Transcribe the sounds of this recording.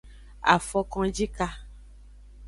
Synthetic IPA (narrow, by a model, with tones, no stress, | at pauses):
a̰˨fɔ˦kɔ̃˦d͡ʒi˦ka˦